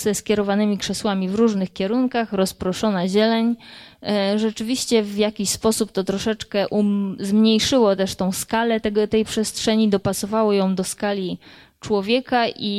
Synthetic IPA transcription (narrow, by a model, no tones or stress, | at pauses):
z̥ɛskʲjɛɾɔvanɘmʲikʂɛswamʲivɾuʐnɘxkʲɛɾuŋkaxɾɔspɾɔʂɔnaʑɛlɛɲ | ʐɛt͡ʂɘvʲiɕt͡ɕɛvjakʲiɕspɔsupt̪ɔt̪ɾɔʂɛt͡ʂkɛʔuzmɲejʂɘwɔt̪ɛʂt̪ɔ̃w̃skalɛt̪ɛɡɔt̪ɛjpʂɛstʂɛɲid̪ɔpasɔvawɔjɔ̃w̃d̪ɔskalʲi | t͡ʂwɔvʲjɛkaʔi